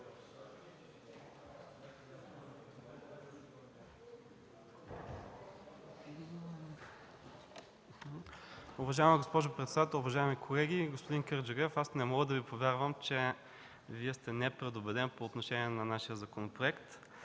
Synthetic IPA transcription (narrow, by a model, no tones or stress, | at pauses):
ʊvɐʒaɛməɡospɔʒʊpɾɛt̪sɛd̪at̪ɛlˠʊvɐʒaɛmikʰolɛɡʲiɡospʊd̪inkɛɾd͡ʒɛɡɛfasnɛmɔɡəd̪ɐvipovʲjaɾvəmt͡ʃɛ | viɛst̪ɛnɛpɾɛd̪obɛd̪ɛnpoːt̪noʃɛniɛnɐnaʃiəzɐkonopɾoɛkt̪